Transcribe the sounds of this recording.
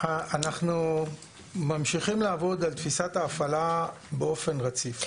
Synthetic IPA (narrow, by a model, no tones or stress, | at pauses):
aanaχnu | mamʃiχimlaːvo̞d̪alt̪fisat̪aːfala | beo̞fe̞nʁat͡sif